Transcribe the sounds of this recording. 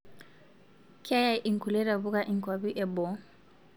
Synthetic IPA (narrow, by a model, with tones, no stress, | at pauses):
kʰa˦ja˦˨ʔi˨ŋku˨lɛ˦ɾa˨βu˦ka˦˨ʔi˨ŋkwa˨βi˦ʔɛ˨bɔ˨